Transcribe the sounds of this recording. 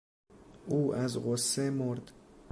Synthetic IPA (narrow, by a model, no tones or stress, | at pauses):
ʔuːʔæzɢosːemoɾd̪